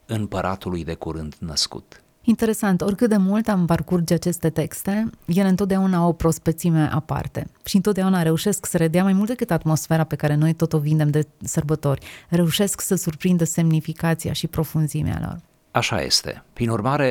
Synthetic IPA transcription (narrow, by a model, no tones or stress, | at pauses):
ɨmpəɾʔa̰t̪ulujd̪e̞kuɾɨnt̪nəskṵt̪ | int̪e̞ɾe̞sant̪o̞rʲkɨt̪̚d̪e̞mult̪amparkurd͡ʒat͡ʃe̞st̪e̞t̪e̞kst̪e̞je̞lɨnt̪ot̪d̪aunaopɾo̞spek̚t̪simeʔa̰pa̰rt̪e̞̰ʃiɨnt̪ot̪d̪eaunaɾe̞uʃe̞sksəɾed̪eamajmult̪d̪ekɨt̪at̪mo̞sfe̞ɾape̞kaɾe̞nojt̪o̞t̪o̞vind̪e̞md̪e̞sərbət̪o̞rʲre̞uʃe̞sksəsurpɾind̪əse̞mnifikat̪sia̰ʃipɾo̞funzimḛa̰lo̰r | aʃa̰je̞̰st̪e̞̰pɾinurmaɾe̞